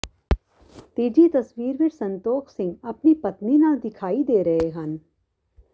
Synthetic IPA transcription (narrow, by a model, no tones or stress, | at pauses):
t̪iːd͡ʒit̪əsʋiːɾʋɪʈsə̃nt̪oːksɪ̃ŋɡɐpnipət̪ninãd̪ɪkʰaːid̪eːɾəɦeɦən